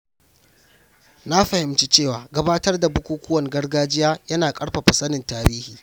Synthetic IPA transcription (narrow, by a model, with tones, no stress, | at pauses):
na˦ɸɐ˨hɪ˨mt͡ʃi˦t͡ʃeː˦˨waː˨ɡɐ˦baː˦tɐ˦rda˨bʊ˦kʷuː˦kʷʊ˦wɐ˨ŋɡɐ˦rɡaː˦d͡ʒɪ˦jaː˦jɐ˦naː˨kʼɐ˦ɽɸa˨ɸɐ˨sɐ˦nɪ˨ntaː˨ɽiː˦hiː˨